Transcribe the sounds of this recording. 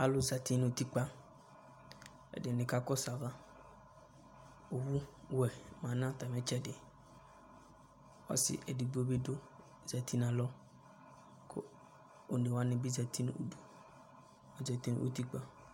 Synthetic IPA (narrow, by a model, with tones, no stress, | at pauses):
a˦lʊ˦za˨tʰi˦n˨o˨ti˦k͡pa˦ | ɛ̰˨dɪ˨nɪ̃˨ka˦kɔ˦sa˨va˦ | o˨wu˦wɛ˨mã˨˦nã˦ta˨mɛ̃˦t͡ʃɛ˦dɪ˨ | ɔ̰˦sɪ̰˨ʔɛ˨di˨bu˦ɔ˦bɪ˦dʊ˦˨ | z̥a˨tʰi˦nã˨lɔ˦ | kʰʊ̰˦ | o˨ne˨wa˦nɪ̃˨bi˦za˨tʰi˦n˦o̰˨du˨ | ɔ˨za˨ti˦n˦ʔo̰˦ti˦k͡pa˦